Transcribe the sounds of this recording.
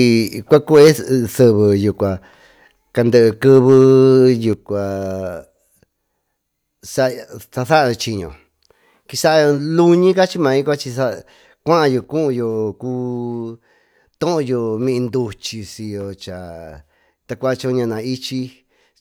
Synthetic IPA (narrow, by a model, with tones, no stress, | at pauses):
i˧kʷa˦ku˦e˦θɨ˧βɨ˧ju˨kʷa˨ | ka˧nd̪ɨ˧ʔɨ˧kɨ˦˧βɨ˦ju˨kʷa˨ | sa˦sa˧θa˦ʔo˧t͡ʃi˧ɲõ̰˨ | ki˧sa˦ʔo˧lu˦ɲĩ˦ka˦t͡ʃi˦mã˧ĩ˦kʷa˦t͡ʃi˧sa˦˧ | kʷã˦ʔjo˧kũ˦ʔũ˧jo˧ku˦ | t̪õ˦ʔõ˧jo˧mĩ˧ʔĩ˧nd̪u˧t͡ʃi˧si˧jo˧t͡ʃa˨ | t̪a˧kʷa˦˧t͡ʃõ˧ɲã˧nã˨i˦t͡ʃi˧